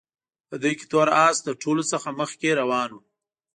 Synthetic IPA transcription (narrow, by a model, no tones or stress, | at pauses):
pəd̪əjke̥t̪waɾɑsd̪əʈʰolosəxaməxkeɾawɑnu